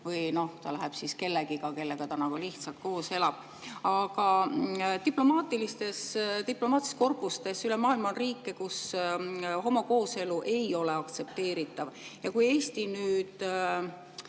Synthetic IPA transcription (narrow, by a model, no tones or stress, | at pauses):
vɯjno̞ht̪ɑ̰læɦɛb̥siske̞lːeɡikɑke̞lːeɡ̥ɑt̪ɑnɑkuliht̪sɑlt̪̚ko̞ːse̞lɑb̥ | ɑɡ̥ɑ | t̪iplo̞mɑːt̪ːˑilist̪e̞st̪iplo̞mɑːt̪isko̞rpust̪e̞sylemɑːilmɑonriːkːekus | ɦo̞moko̞ːse̞luʔe̞jo̞le̞ɑkt̪se̞p̚t̪e̞ːɾit̪ːˑɑvjɑkuje̞ːst̪inyːd̪